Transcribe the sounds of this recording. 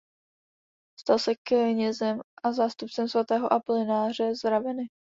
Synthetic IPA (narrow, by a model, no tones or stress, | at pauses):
st̪alsɛkɲɛzɛmʔazaːst̪up̚t͡sɛmsvat̪ɛːɦoʔaplɪnaːr̝ɛzɾavɛnɪ